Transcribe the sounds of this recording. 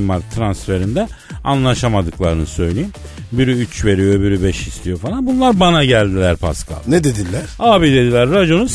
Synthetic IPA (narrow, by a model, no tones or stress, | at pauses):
maɾt̪ʰɾansfe̞ɾind̪ɛ | anlˠaʃamad̪ɯklˠaɾɯnɯsø̞jlʲejim | biɾyyt͡ʃve̞ɾijo̞biɾybɛʃist̪ʰijo̞falˠanbunlˠaɾbanaɟælʲd̪ilʲæɾpʰa̰skʰa̰nɛd̪ed̪ilʲːæɾ̥aːbid̪e̞d̪ilʲæɾːad͡ʒo̞nus